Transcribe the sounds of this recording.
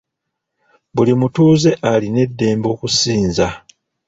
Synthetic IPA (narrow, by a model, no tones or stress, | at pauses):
bulimutuːze̞ʔaline̞dːe̞ːmbo̞ːkusiːnza